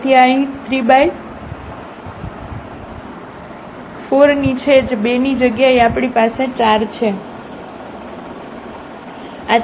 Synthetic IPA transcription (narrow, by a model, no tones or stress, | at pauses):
t̪ʰiaĩt̪ɾibaj | foɾnit͡ʃʰed͡ʒbenid͡ʒəɡjaeapɽ̃ipaset͡ʃaɾt͡ʃʰe | a